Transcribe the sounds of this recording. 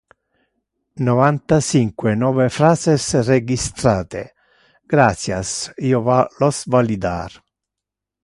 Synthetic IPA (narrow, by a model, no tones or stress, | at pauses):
nɔvant̪at͡ʃiŋkwenɔːvefɾaːzesreɡist̪ɾaːt̪ḛ | ɡ̥ɾat̪sjasiːovalɔsvalid̪a̰ɾ